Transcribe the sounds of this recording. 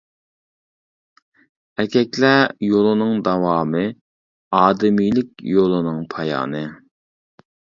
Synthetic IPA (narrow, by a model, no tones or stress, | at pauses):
æɾkʲʰɛkʲlæjolˠɨnɨŋd̪ɑwɑːmɨ | ɑːd̪ɪmijlɪk̚ʲjolˠɨnɨŋpʰɑjɑ̰ːnɨ